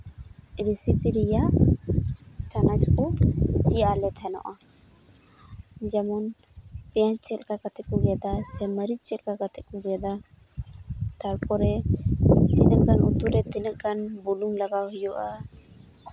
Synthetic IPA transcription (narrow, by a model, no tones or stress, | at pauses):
ɾisipiɾija | t͡ʃanat͡ʃkut͡ʃijalɛt̪ʰɛnɔ̰ʔa | d͡ʒamɔnpɛjant͡ʃɛt̪̚kakat̪ʰɛkuɡɛd̪asɛməɾit͡ʃɛt̪̚kakat̪ʰɛkuɡɛd̪a | t̪alkɔɾɛ | tinəʔkanut̪uɾɛt̪inəʔkanbulumlaɡawɦijɔʔa